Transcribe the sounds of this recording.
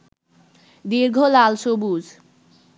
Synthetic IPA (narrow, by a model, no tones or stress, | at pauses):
d̪iɾɡʱolalʃobud͡ʑ